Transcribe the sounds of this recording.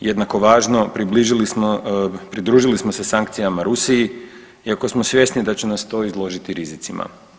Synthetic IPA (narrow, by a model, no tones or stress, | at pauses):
je̞d̪nako̞ʋaːʒno̞pɾibliʒilismopɾid̪ɾuːʒilismose̞saŋk̚t̪sijamaɾusiji | iako̞smo̞sje̞snid̪at͡ɕenast̪o̞ːizlˠo̞ʒit̪iɾizit̪sima̰